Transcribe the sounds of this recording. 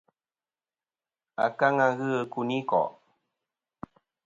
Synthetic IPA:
a̰˨ka˦ŋa˦ɣɨ˦ə˦ku˨ni˦kɔ̰˨ʔ

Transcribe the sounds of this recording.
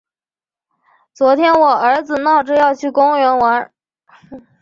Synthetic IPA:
t͡swɔ˧˥t̪ʰjɛ˥nwɔ˨˩ə˞˧˥d͡zɹ̩˨˩nɑ˥˩ʊʈ͡ʂɻ̩˥˧jɑ˥˧ʊt͡ɕʰy˥˩kʊ˥ŋɥɛ˧˥nwa˧˥n

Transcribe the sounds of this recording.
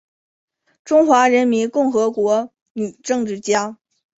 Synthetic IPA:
ʈ͡ʂʊ˥ŋxwa˧˥ɻə˧˥nmi˧˥nkʊ˥˩ŋxɤ˧˥kwɔ˧˥ | ny˨˩ʈ͡ʂɤ˥˧ŋʈ͡ʂɻ̩˥˩t͡ɕja˥

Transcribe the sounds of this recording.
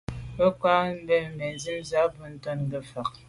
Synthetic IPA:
bə˦kwa˦m̩˦bɛ˦m̩˨bɛ˨n˦zi˦mza˨˦bə˦n̩˦tɔ˦nɡə˦˨fa˨k̚

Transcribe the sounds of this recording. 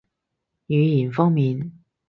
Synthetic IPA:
jyː˨˧ji˨˩nfɔː˥ŋmiː˨˧n

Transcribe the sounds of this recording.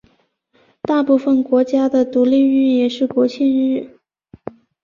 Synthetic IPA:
t̪a˥˧pu˥˩fə˩nkwɔ˧˥t͡ɕja˥d̪ə˨t̪u˧˥li˥˧y˥˧njɛ˥˩ʂɻ̩˥˩kwɔ˧˥t͡ɕʰɛ˥˧nɻɻ̩˥˩

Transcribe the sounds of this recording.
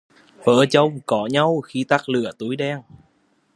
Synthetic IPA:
və̰ː˧˩t͡ɕə˧wŋ͡mkɔ˨˦ɲa˧wxi˧t̪a˦˥k̚lɨ̰˧˨˩ət̪u˨˦jɗɛ˧ŋ

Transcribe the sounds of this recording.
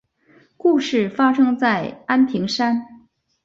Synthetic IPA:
ku˥˧ʂɻ̩˥˩fa˥ʂɤ˥ŋt͡sa˥˩ɪa˥nt̪ʰi˧˥ŋʂa˥n

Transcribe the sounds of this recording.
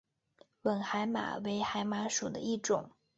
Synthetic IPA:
wə˨˩nxa˧˥ɪma̰˨˩˦we˧˥ɪxa˧˥ɪma˧˥ʂu˨˩d̪ə̰˦i˥˩ʈ͡ʂʊ˨˩˦ŋ

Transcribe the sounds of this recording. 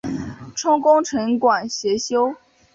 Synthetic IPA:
ʈ͡ʂʰʊ˥ŋkʊ˥ŋʈ͡ʂʰɤ˧˥ŋkwa˨˩nɕɥɛ˧˥ɕjo˥ʊ

